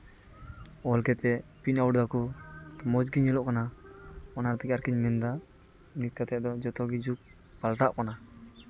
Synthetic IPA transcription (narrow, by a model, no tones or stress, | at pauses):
ɔlkɛt̪ɛpiɲawɖd̪akɔt̪mɔd͡ʒɡiɲɛlɔʔkanaɔnaɾt̪ɛkaɾkiɲmɛnd̪a | nit̪̚kat̪ɛʔd̪ɔd͡ʒɔt̪ɔɡid͡ʒuk̚ | palʈaʔkɔna